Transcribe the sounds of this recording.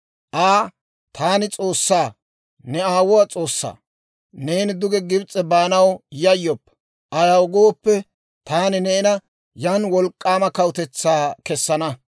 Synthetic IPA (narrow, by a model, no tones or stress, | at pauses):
ʔaː | t̪ʰaːnɪt͡sʼo̞ːsːaː | nɛaːwʊwɐt͡sʼoːsːa̰ː | ne̞ːnɪd̪ʊɡɛɡɪbt͡sʼːɛbaːnɐwjɐjːɔpː | ʔɐjɐwɡoːpːɛ | t̪aːnɪnɛɪnɐ | jɐnwɔlkʼːaːmɐkɐwʊt̪ɛt͡sːaːkɛsːɐnɐ